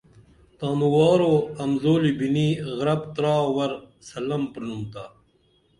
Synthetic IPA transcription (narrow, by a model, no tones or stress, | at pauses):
t̪aːmuwɑːɾoːɐmzoːlibiniːɣɾɐbt̪ɾɑːwɐɾsɐlɐmpɾnumt̪aː